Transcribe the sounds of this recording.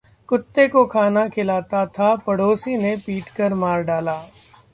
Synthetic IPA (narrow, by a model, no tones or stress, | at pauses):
kʊt̪ːekokʰaːnakʰɪlaːt̪at̪ʰapɐɽoːsinepiːʈkɐɾmaːɾɖaːlaː